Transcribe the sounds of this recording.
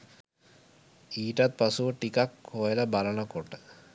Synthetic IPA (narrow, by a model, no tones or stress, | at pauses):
iːʈat̪̚pasuʋəʈikakʰːojeləbalənəkoʈə